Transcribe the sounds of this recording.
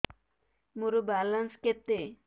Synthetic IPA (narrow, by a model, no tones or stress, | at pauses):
muɾubalansket̪ːe